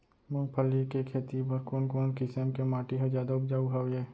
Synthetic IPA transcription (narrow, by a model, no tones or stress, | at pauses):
mʊ̃ŋpʰəlːikekʰeːt̪ibəɾkoːnkoːnkɪsəmkemaːʈiɦəd͡ʒjaːd̪aʊpd͡ʒaːuɦaːwɦɛː